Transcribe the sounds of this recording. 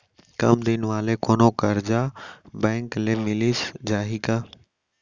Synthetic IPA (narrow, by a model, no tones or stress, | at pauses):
kɐ̰md̪ɪnʋaːlekoːnoːkəɾd͡ʒaːbɛ̃ːŋklemɪlisd͡ʒaːɦiːkaː